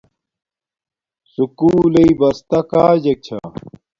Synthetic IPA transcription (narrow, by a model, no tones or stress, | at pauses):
sukuːlɐibɐst̪ɐkaːd͡ʑɐk̚t͡ɕʰa̰